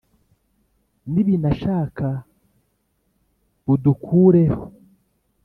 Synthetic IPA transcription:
niβinaʃaːkʰa | budukʰuːɾeho

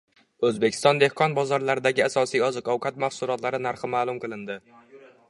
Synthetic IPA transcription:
ɵzbekʲʰɪ̥st̪ɒnd̪e̞hqʰɒnbɒzɒɾlaɾɪd̪aɡʲɪasɒsijɒzɨqʰɒwqʰat̪maχsʊlˠɒt̪laɾɪnaɾχɪmaːlˠʊmqɨlˠɪnd̪ɪ

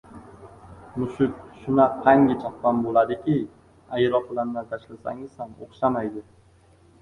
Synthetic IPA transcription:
mʊʃʊk̚ʲʃʊnaqʰɑŋɡʲɪt͡ʃʰaqpanbolad̪ɪkʲiɪ | ajɾɒq̚bɪlanːat̪ʰaʃlasa̰ŋɪz̥sano̰χʃamajd̪ɪ

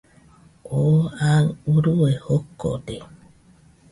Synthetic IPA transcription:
oaluɾuehokːo̰de

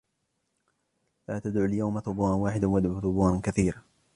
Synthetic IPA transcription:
laːt̪ad̪ʕuljawmaθʊbuːanwaːħɪd̪awad̪ʕuːθʊbuːʕankaθiːɾa

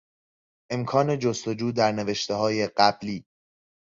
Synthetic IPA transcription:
ʔe̞mkʰɒːne̞d͡ʒost̪od͡ʒuːd̪æɾne̞ve̞ʃt̪eɦɒːje̞ɢæbliː

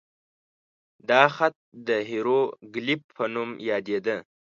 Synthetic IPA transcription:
d̪ɑxat̪̚d̪əɦiɾoɡlip̚pʰːənumjɑd̪ed̪ə

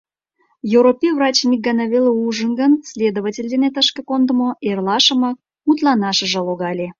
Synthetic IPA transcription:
joɾopʲivrɑt͡ɕmʲik̚ɡɑnɑβʲelʲeuʒənɡənsʲlʲed̪oβatʲelʲd̪enʲet̪əʃkəkond̪ə̆moerlˠɑʃəmɑk̚ | mut̪lɑnɑʃə̆ʒə̆lˠoɣɑlʲe

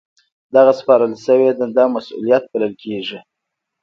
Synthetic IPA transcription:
d̪aɣaspɑɾəlsəwed̪əd̪ɑmasṵlijat̪̚baləlkʰeʐi

